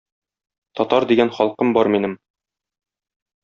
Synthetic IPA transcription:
t̪ɒt̪ɑɾd̪iɡænχɒlˠqɤmbɒɾminɘm

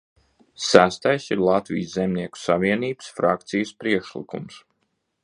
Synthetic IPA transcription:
sæst̪ajsiɾlˠat̪vḭjzzemʲniɛku̥saviɛniːb̥sfɾak̚t̪sijəspɾiɛkʃlḭkṵms

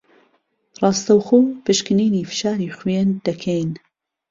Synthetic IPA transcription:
rˤɑːst̪ɐwxoːpɨʃkɨniːniːfɨ̥ʃaːɾiːxwend̪̥ɐkʰɛjn

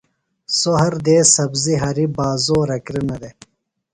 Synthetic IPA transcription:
soɦɐɾd̪eːsɐbziɦɐɾibaːzoːɾɐkɾinɐd̪e

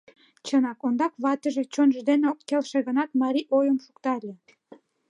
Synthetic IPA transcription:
t͡ɕənɑkond̪ɑkβɑt̪əʒĕt͡ɕonʒd̪eneokːelʃeɣənɑt̪mɑɾʲiʔojəmʃukt̪ɑlʲĕ

